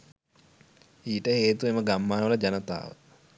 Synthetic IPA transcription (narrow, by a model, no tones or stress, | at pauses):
iːʈəheːt̪ueməɡamːaːnəʋələd͡ʒanət̪a̰ːʋə̰